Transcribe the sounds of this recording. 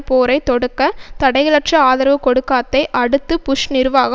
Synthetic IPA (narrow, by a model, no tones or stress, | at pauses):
poːɾɐɪt̪ɔɽɯkːɐt̪ɐɽɐɪɣɐlɐʈʂɐaːðɪɾɐʋɯkːɔɽɯkːaːt̪ːɐɪʔɐɽɯt̪ːɯpʊʂnɪɾɯʋaːɣɐ